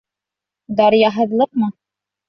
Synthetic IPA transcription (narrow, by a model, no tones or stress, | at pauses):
d̪ɑɾjɑɦɤ̆ðlˠɤq̚mɤ